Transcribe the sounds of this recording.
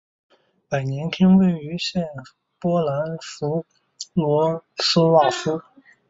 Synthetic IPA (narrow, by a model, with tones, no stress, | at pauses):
pa˨˩ɪnjɛ˧˥nt̪ʰjɛ˥ŋwe˥˩ɪy˧˥ɕjɛ˥˩n | pwɔ˥la˧˥nfu˧˥ | lwɔ˧˥sɹ̩˥wa˥˩fu˥